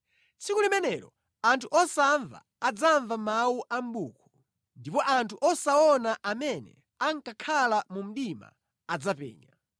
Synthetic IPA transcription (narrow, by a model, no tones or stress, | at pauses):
t͡sikulimɛnɛɾɔ̰ | antʰuʔɔsaɱva̰ | ad͡zaɱvamawuʔam̩ɓuːkʰɔ̥ | ndipɔʔantʰuʔɔsaɔnaʔamɛnɛ̰ | aŋkakʰalamum̩ɗima̰ | ad͡zapɛ̰ːɲa